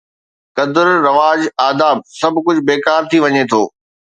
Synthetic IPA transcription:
kɐd̪əɾːɐʋaːd͡ʑaːd̪aːb̚sɐbʱkʊd͡ʑʱbeːkaːɾt̪ʰiʋɐɲet̪ʰoː

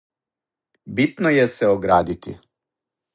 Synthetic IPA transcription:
bit̪nojeseoɡɾaːd̪it̪ḭ

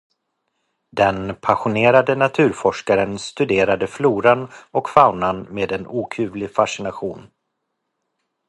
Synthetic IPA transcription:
d̪ɛnpʰaɧʊneːɾad̪ənat̪ʰʉ̟ːɾfɔʂkaɾənst̪ɵd̪eːɾad̪əfluːɾanɔkfaʊnanmeːd̪ɛnuːkʰʉ̟ːvlɪfaʂɪnaɧuːn

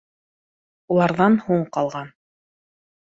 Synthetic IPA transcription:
ulˠɑɾðɑnhuɴqɑlˠʁɑn

